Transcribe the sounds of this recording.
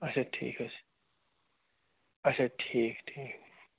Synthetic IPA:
ɐt͡ʃʰaʈʰḭːkɐt͡ʃʰ | ɐt͡ʃʰaʈʰiːkʈʰiːk

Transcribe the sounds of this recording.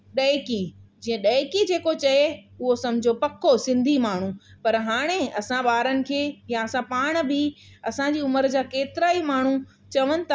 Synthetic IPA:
ɗɐɪkid͡ʑiːə̃ɗɐːkid͡ʑeːkot͡ɕɐeʊɦosɐ̃mɪd͡ʑʱopɐkʰosɪ̃nd̪ʱimaːɳ̤ũpɐɾɦaːɽ̃eɐsãɓaːɾənɪ̆kʰeːjãɐsãpaːɽ̃̆bɪɐsãd͡ʑiːʊməɾd͡ʑaːkeːt̪ɪɾaːimaːɳ̤u | t͡ɕɐʋənɪ̆t̪ʰː

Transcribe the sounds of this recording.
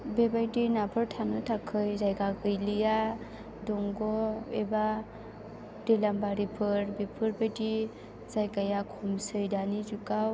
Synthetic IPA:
bebajdinapʰɯɾtʰanɯtʰakʰɯjzajɡaɡɯjlɯja | dɔŋɡɔeba | delambaɾipʰɯɾbepʰɯɾbajdi | zajkajakʰɔmsɯjdanizukaw

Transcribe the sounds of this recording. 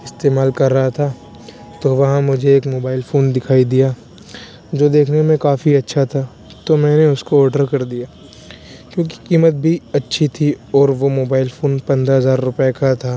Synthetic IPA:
ɪst̪eːmaːlkɐɾːɐɦat̪ʰaː | t̪oʋɐɦãmʊd͡ʒʱeeːkmoːbaːɪlfoːnd̪ɪkʰaːid̪ijaː | d͡ʒoːd̪eːkʰnemẽkaːfiɐtːʃʰat̪ʰa | t̪omɛ̃ːneʊskoɔːɾɖəɾkɐɾd̪ijaː | kjõːk̬i̥kiːmət̪̚bʱiɐtːʃʰit̪ʰiɔːɾʋomoːbaːɪlfʰoːnpɐ̃nd̪ɾaɦɐzaːɾːʊpjakat̪ʰaː

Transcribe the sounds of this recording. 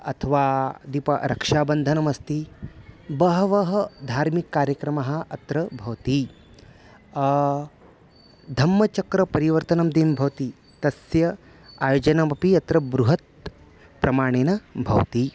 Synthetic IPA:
ɐ̰t̪ʰɐʋaːd̪ipɐ̰ɾɐkʂaːbɐnd̪ʱɐnɐmɐst̪i | bɐɦɐʋɐɦɐ̆d̪ʱaːɾmikːaːɾjɐkɾɐmɐɦɐ̆ɐt̪ɾɐbʱɐʋt̪i | d̪ʱɐmːɐt͡ʃɐkɾɐpɐɾiʋɐɾt̪ɐnɐmd̪iːmbʱɐʋɐt̪i | t̪ɐsjɐ | aːjoːd͡ʒɐnɐmɐpiɐt̪ɾɐbɾuɦɐt̪̚ | pɾɐmaːɳ̃eːnɐbʱɐ̰ʋt̪i

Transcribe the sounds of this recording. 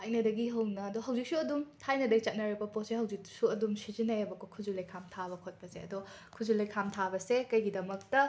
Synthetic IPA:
ɐjnɐdɐɡiɦɐwnɐːdɔɦɐwd͡ʒik̚suɐdumtʰajnɐdɐit͡ʃɐt̚nɐɾibɐpossehɐwd͡ʒiksuɐdumsizinːɐjɐbɐkokʰuzulejkʰamtʰaβɐkʰot̚pɐzeɐ̰dɔ | kʰuzulejkʰamtʰabɐsekɐjɡidɐmɐk̚tɐ

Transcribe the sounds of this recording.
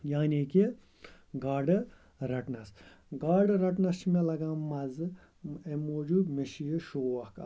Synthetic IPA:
jaːniːki | ɡaːɖɨ | ɾɐʈnɐs | ɡaːɖɨɾɐʈnɐʃmelɐɡãːmɐzɨ | emoːd͡ʒumiʃijiʃoːʋɐkɐ

